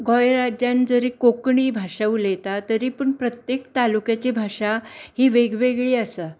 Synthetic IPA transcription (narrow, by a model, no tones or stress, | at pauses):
ɡɔjɾad͡ʑjãnd͡zəɾiːkokɳiːbʱaʂəʋulet̪at̪əɾiːpəɳpɾət̪jekt̪alukjat͡ɕibʱaʂahiːʋeɡʋeɡɭiːəsə